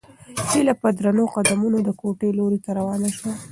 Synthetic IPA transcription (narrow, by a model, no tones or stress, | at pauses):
hilapəd̪ɾanoqad̪amunod̪əkoʈeloɾet̪aɾawɑnaʃwa